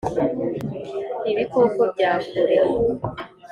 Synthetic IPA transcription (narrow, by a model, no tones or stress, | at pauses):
iβiko̞kobɟaːsuɾe